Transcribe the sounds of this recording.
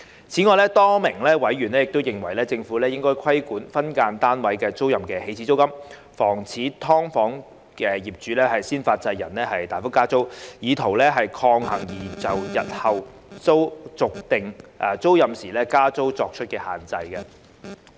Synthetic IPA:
t͡sʰiː˨˥ŋɔː˨˧jlɛː˥t̪ɔː˥mɪ˨˩ŋlɛː˥wɐ˨˥jɥyː˨˩nlɛː˥jɪ˨k̚t̪o˥wjɪ˨˩ŋwɐ˨˩jlɛː˥t͡sɪ˧ŋfuː˨˥lɛː˥jɪ˥ŋkɔː˥jkʰɐ˥jkuː˨˥nfɐ˥nkaː˧nt̪aː˥nwɐ˨˥jkɛː˧t͡so˥wjɐ˨mkɛː˧he˧jt͡sʰi˨˧t͡so˥wkɐ˥m | fɔː˨˩ŋt͡sʰiː˨˥t̪ʰɔː˥ŋfɔː˨˥ŋ | kɛː˧jiː˨p̚t͡ʃyː˨˦lɛː˥ɦɐ˨jsiː˥nfaː˧t̚t͡sɐ˧jːɐ˨˩nɛː˥ɦɐ˨jt̪aː˨jfʊ˥kːaː˥t͡so˥wjiː˨˧t̪ʰo˨˩wlɛː˥ɦɐ˨jkʰɔː˧ŋɦɐ˨˩ŋjiː˨˩t͡sɐ˨˩wjɐ˨t̚hɐ˨˩w | t͡so˥wt͡sʊ˨k̚t̪ɪ˨˩ŋʔɐː˨t͡so˥wjɐ˨msiː˨˩lɛː˥kaː˥t͡so˥wt͡sɔː˧k̚t͡ʃʰɵ˥t̚kɛː˧haː˨˩nt͡sɐ˧jkɐ˧

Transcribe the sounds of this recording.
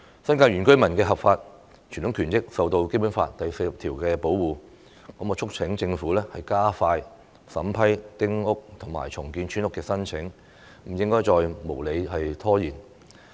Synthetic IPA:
sɐ˥nkaː˧jy˨˩nkɵ˥ɥmɐ˨˩nkɛː˧ɦɐ˨p̚faː˧t̚ | t͡ʃʰy˨˩nt̪ʊ˨˥ŋkʰyː˨˩nt͡sɪ˥k̚sɐ˨wt̪o˧wke˥jpuː˨˥nfa̰ː˧tt̪ɐ˨jse˧jp̚t̪ʰiː˨˩wkɛː˧po˨˥wwuː˨ | kɔː˨˥mkɔː˧t͡ʃʰʊ˥k̚t͡sʰɪ˨˥ŋt͡sɪ˧ŋfuː˨˥lɛː˥hɐ˨jkaː˥faː˧j | sɐ˨˥mpʰɐ˥jt̪ɪ˥ŋʊ˥k̚t̪ʰʊ˨˩ŋma̰ː˨˩jt͡sʰʊ˨˩ŋkiː˧nt͡ʃʰyː˥nʊ˥kːɛː˧sɐ˥nt͡sʰɪ˨˥ŋ | m̩˨˩jɪ˥ŋkɔː˥jt͡ʃɔː˨˧jmo˨˩wle˨˧jɦɐ˨jt̪ʰɔː˥jiː˨˩n

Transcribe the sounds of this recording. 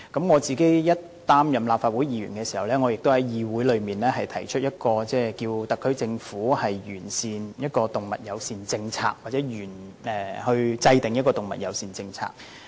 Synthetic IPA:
kɐ˨˥mŋɔː˨˧t͡siː˨ke˥jjɐ˥t̚ | t̪aː˥mjɐ˨mlaː˨pfaː˧t̚wuː˨˥jiː˨˧ɥy̰ː˨˩nkɛː˧siː˨˩hɐ˨˩wlɛː˥ŋɔː˨˧jɪ˨k̚t̪o˥whɐ˨˥jjiː˨wuː˨˥jlɵ˨˧ɥmiː˨nlɛː˥ɦɐ˨jt̪ʰɐ˨˩jt͡ʃʰɵ˥t̚jɐ˥t̚kɔː˧t͡sɛː˥˩kiː˧wt̪ɐ˨kʰːɵ˥ɥt͡sɪ˧ŋfuː˨˥hɐ˨jjyː˨˩nsiː˨njɐ˥t̚kɔː˧t̪ʊ˨ŋmɐ̰˨t̚jɐ˨˧wsiː˨˧nt͡sɪ˧ŋt͡sʰa̰ː˧k̚wa˨˩t͡sɛː˨˥jyː˨˩nɛː˨˩hɵ˧ɥt͡sɐ˧jt̪ɪ˨˩ŋjɐ˥kɔː˧t̪ʊ˨ŋmɐ˨˩jɐ̰˨˧wsiː˧˩nt͡sɪ˧ŋt͡sʰa̰ː˧˥k̚

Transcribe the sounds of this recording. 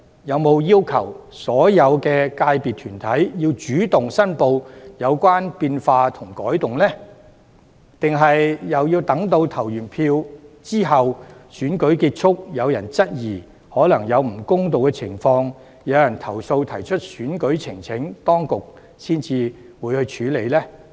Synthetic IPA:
jɐ˨˧wmo˨˧wjiː˥wkʰɐ˨˩wsɔː˨˥jɐ˨˧wkɛː˧kaː˧jpiː˨t̚t̪ʰyː˨˩nt̪ʰɐ˨˥jjiː˧wt͡ʃyː˨˥t̪ʊ˨ŋsɐ˥npo˧wjɐ˨˧wkʷaː˥npiː˧nfaː˧t̪ʰʊ˨˩ŋkɔː˨˥jt̪ʊ˨ŋlɛː˥ | t̪ɪ˨ŋɦɐ˨jjɐ˨wjiː˧wt̪ɐ˨˥ŋt̪o˧wt̪ʰɐ˨˩wjyː˨˩npʰiː˧wt͡siː˥ɦɐ˨wsyː˨˥nkɵ˨˥ɥkiː˧t̚t͡ʃʰʊ˥k̚jɐ˨˧wjɐ˨˩nt͡sɐ˥t̚jiː˨˩ | hɔː˨˥lɐ˨˩ŋjɐ˨˧wm̩˨˩kʊ˥ŋt̪̬o˨wkɛ˧t͡sʰɪ˨˩ŋfɔː˧ŋ | jɐ˨˧wjɐ˨˩nt̪ʰɐ˨˩wso˧wt̪ʰɐ˨˩jt͡ʃʰɵ˥t̚syː˨˥nkɵ˨˥ɥt͡sʰɪ˨˩ŋt͡sʰɪ˨˥ŋt̪ɔː˥ŋkʊ˨k̚ | siː˥nt͡siː˧ | wuː˨˧jhɵ˧ɥt͡ʃʰyː˨˥le˨˧jlɛː˥

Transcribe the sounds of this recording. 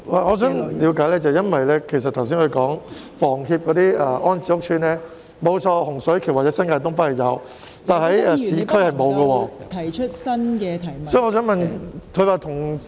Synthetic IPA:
laː˨˩ŋɔː˨˧s̬œː˨˥ŋliː˨˧wkaː˨˧˥jlɛː˥t͡sɐ˨wjɐ˥nwɐ˨jlɛː˥kʰe˨˩sɐ˨t̪̚ʰɐ˨˩ws̬iː˥nhɵ˨˧kɔː˨˥ŋ | fɔː˨˩ŋɦiː˧p̚kɔː˨˧t̪iː˥ʔɛː˧˩ʔɔː˥nt͡siː˧˥ʊ˥k̚t͡ʃʰyː˧nlɛː˥ | mo˨˧wt͡ʃʰɔː˧hʊ˨˩ŋsɵ˨˥ɥkʰy˨˩waː˨tt͡sɛ˨˥sɐ˥nkaː˧jt̪ʊ˥ŋp̬ɐ˥hɐ˨˩jɐ˨˧w | t̪aː˨nɦɐ˨˥jɛ˧siː˨˥kʰɵ˥ɥhɐ˨jmo˨˧wɡɐ˧wɔː˧t̪ʰɐ˨˩jt͡ʃʰt̚sɐ˥nkɛː˧t̪ʰɐ˨˩jsɔː˨˥˨ŋɔː˧sœː˨˥ŋmɐ˨nkʰɵ˨˧ɥwaː˨˧t̪ʰʊ˨˩ŋ

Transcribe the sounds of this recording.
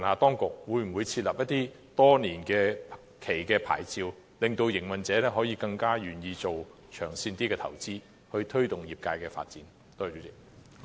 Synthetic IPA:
nhaː˨˧t̪ɔː˥ŋkʊ˨k̚wuː˨˧jm̩˨˩wu˨˧jt͡sʰi˧t̚lɐ˨p̚jɐ˥t̪ːiː˥ | t̪ɔː˥niː˨˩nkɛː˧ | kʰe˨˩jkɛː˧pʰa̰ː˨˩jt͡siː˧w | lɪ˨ŋt̪o˧wjɪ˨˩ŋwɐ˨nt͡sɛː˨˥lɛː˥ɦɔː˨˥jiː˧kɐ˧ŋkaː˥jyː˨˩njiː˧t͡so˨w | t͡ʃʰœː˨˩ŋsiː˧nt̪iː˥kɛː˧t̪ʰɐ̰˨˩wt͡siː˥ | hɵ˧ɥt̪ʰɵ˥ɥt̪ʊ˨ŋjiː˨˩p̚kaː˧jkɛː˧fa̰ː˧t̚t͡siː˨˥n | t̪oː˥˨˩t͡ʃy˨˥t͡sɪ˨k̚

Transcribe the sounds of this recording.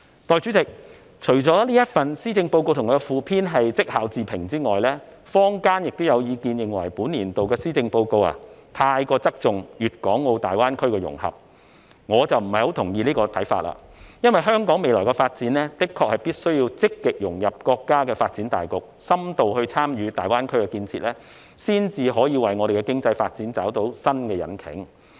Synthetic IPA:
t̪ɔː˨jt͡ʃy˨˥t͡sɪ˨k̚ | t͡ʃʰɵ˨˩ɥt͡sɔː˨˥liː˥jɐ˥t̚fɐ˨nsiː˥t͡sɪ˧ŋpo˧wko˧wt̪ʰʊ˨˩ŋɔː˨˧ɡɛ˧fuː˨˧pʰiː˥nɦɐ˨jt͡sɪ˥k̚haː˨˥wt͡siː˨˩pʰɪ˨˩ŋt͡siː˥ŋɔː˨˩jlɛː˥ | fɔː˥ŋkaː˥njɪ˨k̚t̪o˥wjɐ˨˧wjiː˨˧kiː˧njɪ˨ŋwɐ̰˨˩jpuː˨˥nliː˨˩nt̪o˨wkɛː˧siː˥t͡sɪ˧ŋpo˧wko˧wa̰ː˨t̪ʰaː˧jkɔː˧t͡sɐ˥k̚t͡sʊ˨ŋjyː˨t̚kɔː˨˥ŋːo˨˧wt̪a̰ː˨jwaː˥nkʰɵ˥ɥkɛː˧jʊ̰˨˩ŋhɐ̰˨p̚ | ŋɔː˨˧t͡sɐ˨wm̩˨˩hɐ˨jho˨˥wt̪ʰʊ˨˩ŋjiː˧liː˥kɔː˧t̪ʰɐ˨˥jfa̰ː˧t̚la̰ː˨jɐ˥nwɐ˨jɦœː˥ŋkɔː˨˥ŋme˨jlɔː˨˩jkɛ˧faː˧t̚t͡siː˨˥nlɛː˥t̪ɪ˥kʰːɔː˧k̚hɐ˨jpiː˥t̚sɵ˥ɥjiː˧wt͡sɪ˥kːɪ˨k̚jʊ˨˩ŋjɐ˨p̚kɔː˧kːaː˥kɛː˧faː˧t̚t͡siː˨˥nt̪a̰ː˨jkʊ˨k̚sɐ˥mt̪o˨whɵ˧ɥt͡sʰaː˥mjyː˨˧t̪aː˨jwaː˥nkʰɵ˥ɥkɛː˧kiː˧nt͡sʰḭː˧t̚lɛː˥ | siː˥nt͡siː˧ɦɔː˨˥jiː˨˧wɐ˨˩jŋɔː˨˧ɾe˨˩kɛː˧kɪ˥ŋt͡sɐ˧jfaː˧t̚t͡siː˨˥nt͡saː˨˥wt̪o˨˥wsɐ˥nkɛː˧jɐ̰˨˥nkʰɪ̰˨˥ŋ

